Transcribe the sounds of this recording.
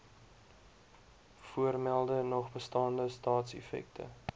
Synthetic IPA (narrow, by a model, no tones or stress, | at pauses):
fuərmælˠdənɔχbəstɑːndəstɑːtsɛ̰fɛ̰k̚tʰə̰